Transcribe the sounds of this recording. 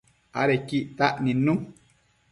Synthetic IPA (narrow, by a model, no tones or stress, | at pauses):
a̰ɾekiʔt̪aʔnĩnũ